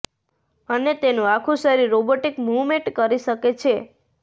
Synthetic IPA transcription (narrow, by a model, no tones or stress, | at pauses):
ənet̪enũakʰũʃəɾiɾːoboʈikmuʋmẽʈkəɾiʃəket͡ʃʰe